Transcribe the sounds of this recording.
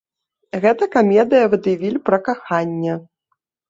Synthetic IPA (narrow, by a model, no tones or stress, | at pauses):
ɣɛt̪ɐkamʲɛd̪ɨjɐvɨd̪javʲilʲpɾɐkaxanʲːɛ